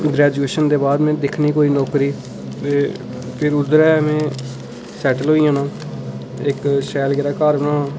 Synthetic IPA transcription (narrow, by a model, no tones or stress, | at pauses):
ɡɾɛːd͡ʒueːʃənd̪eːbaːd̪mɛ̃ːd̪ɪkʰniːkoːiːnɔːkɾiː | t̪eː | pʰɪɾʊd̪əɾɛːmẽː | sɛːʈəlɦoːijãːnãː | ɪkʃɛːlɡɪɾaːkaːɾʋnãː